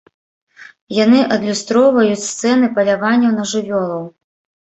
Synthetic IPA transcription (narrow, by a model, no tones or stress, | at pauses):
janɨʔɐd̪lʲust̪ɾɔwvɐjut͡sʲst̪sɛnɨpɐlʲavanʲːɐwnɐʐɨvʲɔlˠɐw